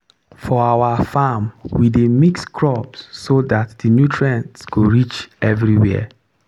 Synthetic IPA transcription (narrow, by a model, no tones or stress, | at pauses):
fɔawafamwidemikskʰɹɔpsːodatdinjutʰɹãntsɡ̥oɹit͡ʃɛvɹiwɛ̰ə̰